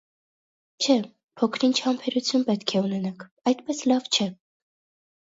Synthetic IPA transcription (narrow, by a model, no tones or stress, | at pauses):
t͡ʃʰɛ | pʰɔkʰɾint͡ʃʰɑmpʰɛɾut͡sʰjunpɛt̪kʰɛunɛnɑkʰ | ɑjt̪pɛslɑvt͡ʃʰɛ